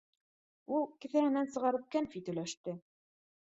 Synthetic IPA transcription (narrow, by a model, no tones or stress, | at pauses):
ulˠkɘ̆θæhɘ̆nænsɤ̆ʁɑɾɤ̆p̚kænfit̪ɵ̆læʃt̪ɘ